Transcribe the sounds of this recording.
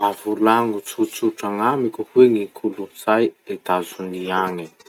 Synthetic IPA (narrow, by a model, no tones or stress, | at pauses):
avulaŋut͡sut͡suʈ͡ʂaŋamikʲuhweŋikʰuluz̥ajed̪azuniaŋi